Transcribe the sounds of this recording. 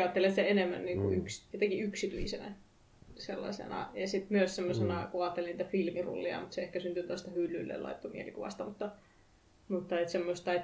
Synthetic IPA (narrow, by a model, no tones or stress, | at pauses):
ɑːt̪ːelʲiɑt̪sit̪æenemːæ̰nːiːŋkuyksjɑt̪ekiyksit̪yisenæ̰ | selːɑ̰sḛnɑ̰jɑsit̪myøssemːosenɑkuɑːt̪ːeliniːt̪æfilmirṵlːiɑ̰mut̪seehkæsynt̪ynt̪oˑst̪ɑhylːylːḛlɑ̰it̪ːomielikuʋɑ̰st̪ɑmut̪ːɑ | mut̪ːɑet̪semːost̪ɑet̪